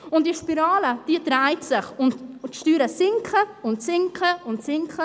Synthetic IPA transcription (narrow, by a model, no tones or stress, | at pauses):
ʊnt̚d̥iəʃpiɾɑːləd̥iədɾaɪtsɪχʊntʃtyːɾəsɪŋkχəʊntsɪŋkχəʊntsɪŋkχə